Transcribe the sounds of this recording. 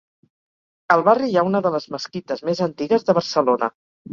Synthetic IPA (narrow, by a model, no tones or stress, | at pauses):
əlˠβariaunəðələzməskit̪əzmezənt̪iɣəzðəβ̞əɾsəlonə̰